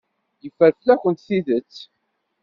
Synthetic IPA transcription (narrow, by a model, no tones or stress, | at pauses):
jəfəɾflæçʷənt̪θiðət͡sː